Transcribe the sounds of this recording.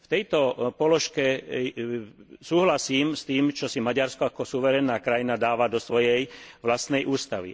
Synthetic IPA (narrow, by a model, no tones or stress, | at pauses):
ft̪ɛjt̪ɔpɔlɔʃkɛ | suːɦlasiːmst̪iːmt͡ʃɔsimaɟaɾskɔakɔsuʋɛɾɛnːaːkɾajinad̪aːʋad̪ɔsʋɔjɛjʋlast̪nɛjʔuːst̪aʋḭ